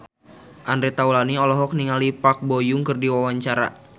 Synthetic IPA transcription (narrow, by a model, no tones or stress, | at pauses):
ʔandɾɛt̪aulaniɔlɔɦɔk̚niŋalipak̚bojʊŋkɨrdiwawaɲt͡ʃaɾa̰